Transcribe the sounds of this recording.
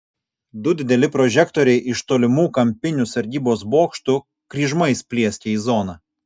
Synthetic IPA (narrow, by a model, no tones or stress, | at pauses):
d̪ʊd̪ʲɪd̪ʲɛlʲɪpɾɔʒʲɛkt̪ɔːɾʲɛɪʔɪʃt̪oːlʲɪmuːkɐmʲpʲɪnʲʊsɐɾʲd̪ʲiːboːsboːkʃt̪ʊ | kɾʲiːʒmɐɪspʲlʲiɛsʲt̪ʲeːiːzɔnɑ